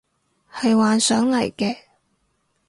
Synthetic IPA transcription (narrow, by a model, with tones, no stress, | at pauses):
hɐ˨jwaː˨nsœː˨˥ŋlɐ˨˩jkɛː˧